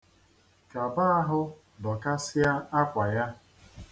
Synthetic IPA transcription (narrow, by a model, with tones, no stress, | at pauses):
ka˨ba˦a˦ɦʊ˦ | dɔ˨ka˦sɪ˦a˦a˦kʷa˨ja˦